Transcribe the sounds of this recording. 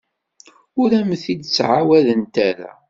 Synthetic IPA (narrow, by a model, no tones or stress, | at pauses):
ʊɾæmθid̪t͡sːʕawæðənt̪æɾæ̰